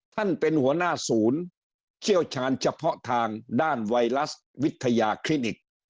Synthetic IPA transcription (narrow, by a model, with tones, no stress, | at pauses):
t̪ʰa˥˩npe˧nhu˨˩˦ɐnaː˥˩suː˩˦n | t͡ɕʰi˥˩əwt͡ɕʰaː˩˦˥nt͡ɕʰa˧pʰɔ˦˥t̪ʰaː˧ŋdaː˥˩nwa˧jɾa˦˥s | wi˦˥t̪ʰːa˧jaː˧kʰɾi˦˥ni˨˩k̚